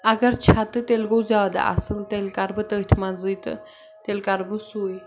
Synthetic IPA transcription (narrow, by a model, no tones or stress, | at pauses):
aɡəɾt͡ɕʰat̪ɨt̪elɡowd͡zaʋad̪a̰ʔa̰səlt̪elkaɾbət̪ət̪ʰmad͡zɨjt̪ | t̪elkaɾbəsue